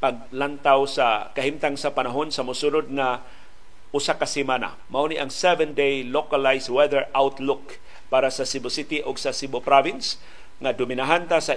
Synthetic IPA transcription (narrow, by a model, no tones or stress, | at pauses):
paɡ̚lant̪awsakaɦimt̪aŋsapanaɦonsamʊsunʊd̪̚ŋa | ʔʊsakasimana̰ | mauniʔaŋsɛvɛndejlokalajswɛðəɹʔawt̪lʊk | paɾasasibʊsit̪iʔʊɡsasibʊpɾavɪns | ŋad̪ʊminaɦant̪asa